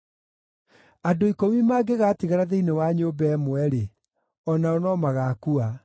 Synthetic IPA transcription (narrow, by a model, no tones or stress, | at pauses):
adoikomimaːɡeɣaːtiɣaɾaðeinewaɲobɛmwɛɾe | ɔnaɔnɔmaɣaːkua